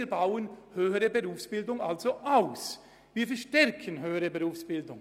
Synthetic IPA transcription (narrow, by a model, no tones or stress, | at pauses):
ɾbaʊənhøːəʁəbəʁuːfsb̥ɪldʊŋʔalz̥oʔaʊs | viːɐfɛɐʃtɛʁkʰənɦøːəʁəbəʁuːfsb̥ɪldʊŋ